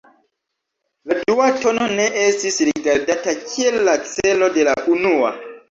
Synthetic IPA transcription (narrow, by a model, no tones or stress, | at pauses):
laduato̞no̞ne̞ʔestisɾidaɾdatakʰielːat͡se̞lo̞de̞laʔunua̰